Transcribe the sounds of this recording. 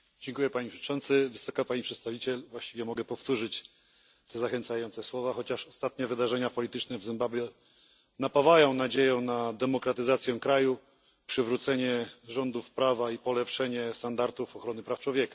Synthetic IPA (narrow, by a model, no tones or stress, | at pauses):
d͡ʑɛŋkujɛpaɲipʂɛt͡ʂɔ̃nt̪sɘvɘsɔkapaɲipʂɛt̪st̪avʲit͡ɕɛlvwaɕt͡ɕivʲjɛmɔɡɛpɔft̪uʐɘt͡ɕ | t̪ɛzaxɛnt̪sajɔnt̪sɛswɔvaxɔt͡ɕaʂɔst̪at̪̚ɲɛvɘd̪aʐɛɲapɔlʲit̪ɘt͡ʂnɛvzɘmbablʲjɛ | napavajɔ̃w̃nad͡ʑejɔ̃w̃nad̪ɛmɔkɾat̪ɘzat̪sʲjɛ̃kɾaju | pʂɘvɾut̪sɛɲɛʐɔnd̪ufpɾavaipɔlɛpʂɛɲɛst̪and̪aɾt̪ufɔxɾɔnɘpɾaft͡ʂwɔvʲjɛkḁ